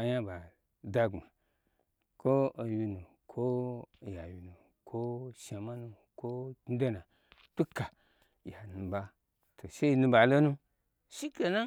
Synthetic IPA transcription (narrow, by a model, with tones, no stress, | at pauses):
a˧ja˦ba˨ | da˦ɡa˨ | ko˦o˧ji˧nu˨ | kʰo˦˨ja˨wi˨nu˨ | kʰo˦ʃa˨ma˦nu˧ | ko˦i˦do˦na˨ | tu˦ka˨ | ja˨nu˨ba˧ | tʰo˨ʃe˦i˧nũ˧ba˨lo˦nu˦ | ʃi˦ke˨na˦